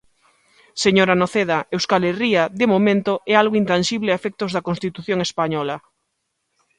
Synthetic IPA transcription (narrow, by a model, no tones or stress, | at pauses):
seɲoɾanoθeð̞aewskaleriaðemomẽnt̪oʔɛalɣoint̪anʃiβlɪaefɛk̚t̪ozðakonst̪it̪uθjoŋespaɲɔla